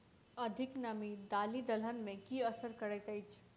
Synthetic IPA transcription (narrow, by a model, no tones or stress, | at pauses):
əd̪ʱiknəmid̪alid̪ələnmẽkiəsəɾkəɾəjt̪əjt͡ʃʰ